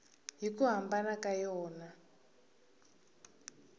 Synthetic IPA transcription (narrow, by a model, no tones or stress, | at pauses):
ɦikuɦambanakajɔːna